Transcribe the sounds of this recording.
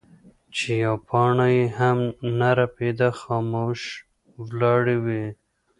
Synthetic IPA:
t͡ʃejapʰɑɳajehamnaɾaped̪axɑmoʃ | wlɑɽiwi

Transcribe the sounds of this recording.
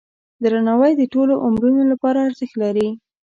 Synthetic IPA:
d̪ɾanawəjd̪əʈoloʔʊmɾunolapɑɾaːɾzəxlaɾi

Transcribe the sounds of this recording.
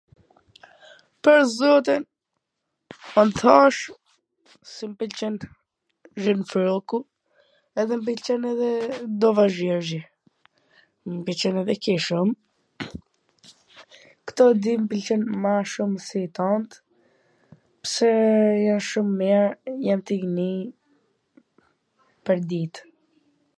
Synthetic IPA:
pəɾzɔt̪in | ɔnθʰaʃ | simpilt͡ʃɛn | ʒənfɾɔku | ɛðɛmb̬ilt͡ʃɛnɛðɛd̪ɔvaʒvɛɾzɛ | mbilt͡ʃɛnɛðɛkiʃum | kt̪ɔd̪impilt͡ʃɛnmaʃuməsit̪ɔnt̪ | pə̥sɛjanʃumːɛɾjant̪iɡni | pəɾd̪it̪

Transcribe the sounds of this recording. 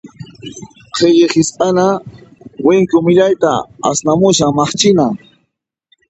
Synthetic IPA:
qʰeʎɪχɪsqʼana | wɪŋkʊmɪʎajt̪a̰a̰snamʊʃaŋmɑχt͡ʃɪna

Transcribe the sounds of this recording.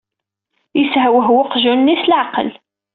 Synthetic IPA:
jəsʕæwəɦwʊqʒunːislʕaqəl

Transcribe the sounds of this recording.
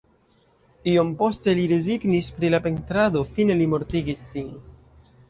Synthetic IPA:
iompo̞ste̞liɾe̞ziɡnispɾilape̞ntɾado̞fine̞limo̞ɾtiɡisːin

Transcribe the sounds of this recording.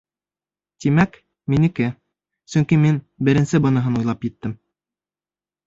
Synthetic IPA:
t̪imæk | minɘ̆kɘ | sɵŋkimin | bɘ̆ɾɘ̆nsɘbɤ̆nɤ̆ɦɤnujlˠɑpjɘ̆t̪ːɘm

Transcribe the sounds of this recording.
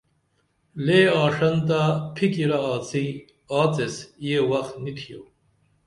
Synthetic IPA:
leːaːʂɐnt̪apʰikiɾaaːt͡si | aːt͡sesjewɐxt̪nit̪ʰijo

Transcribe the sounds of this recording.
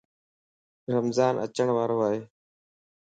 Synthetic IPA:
ɾəmzaːnʔə̰t͡ʃəɳʋaːɾoːaːɦeː

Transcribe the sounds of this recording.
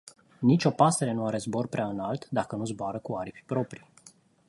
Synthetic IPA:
nit͡ʃo̞past̪eɾe̞nuaɾe̞zbo̞rpɾʲaɨnalt̪d̪akənuzboaɾəkuaɾipʲipɾo̞pɾi

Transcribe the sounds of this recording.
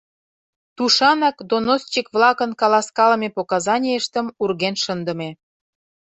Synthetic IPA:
t̪uʃɑnɑkd̪onost͡ɕikβlɑkə̆nkɑlɑskɑlə̆mepokɑzɑnʲieʃt̪ə̆murɣenʃənd̪ə̆me

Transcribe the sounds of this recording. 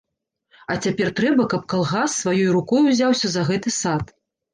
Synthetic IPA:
ɐt͡sʲapʲɛrt̪ɾɛbɐkɐp̚kalˠɣasːvajɔjɾukɔjuzʲawsʲɐzɐɣɛt̪ɨsat̪

